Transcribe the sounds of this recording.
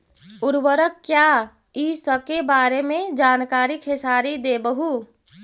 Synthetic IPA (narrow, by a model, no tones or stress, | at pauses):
ʊɾwəɾəkːja | isəb̚kebaːɾemẽd͡ʒaːnkaːɾikɦɪsaːɾid̪ebəɦu